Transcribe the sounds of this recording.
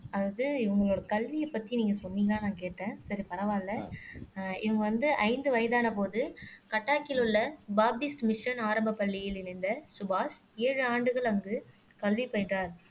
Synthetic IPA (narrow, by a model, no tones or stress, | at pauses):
ɐðaðɯɪʋɐŋɡɐɭoːɽɐkɐlʋijɛpːɐt̪ːiniːŋɡɐsɔnːiːŋɡaːnãːkeːʈːẽːsɐɾipɐɾɐʋaːlːɐ | ɪʋɐŋɡɐʋɐnd̪ɯʔɐ̰ɪnd̪ɯʋɐjɐðaːnɐpoːðɯkɐʈːaːkɪlʊlːɐbaːbɪsʈmɪʂɐnaːɾɐmbɐpːɐɭːɪjɪlɪɾɪnd̪ɐsʊbaːseːɻɯaːɳɖɯɣɐɭɐŋɡɯ | kɐlʋipɐjʈːaːɾ